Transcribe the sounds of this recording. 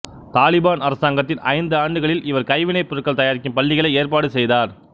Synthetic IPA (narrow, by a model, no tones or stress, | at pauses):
t̪aːlɪbaːnɐɾɐsaːŋɡɐt̪ːɪnɐ̰ɪnd̪ɯaːɳɖɯɣɐɭɪlʔɪʋɐɾkɐɪʋɪnɐɪpːʊɾɯkːɐlt̪ɐjaːɾkːɪmpɐɭːɪɣɐɭɐɪeːɾpaːɽɯsɛjðaːɾ